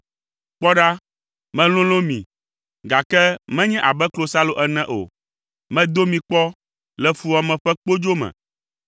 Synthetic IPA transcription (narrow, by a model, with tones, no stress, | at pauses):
k͡pɔ˦ɖa˦ | mɛ̃˨l̃ũ˦l̃õ˦mḭ̃˨ | ɡa˨kɛ˦mɛ̃˦ɲɛ̃˦ʔa˨bɛ˦klo˨sa˦lo˨ʔɛ˨nɛ̃˦ʔo̰˨ | mɛ̃˦d̪o˦mĩ˨k͡pɔ˦ | lɛ˨fu˦a˨mɛ̃˨ɸɛ˦k͡po˦d͡ʒo˦mɛ̰̃˨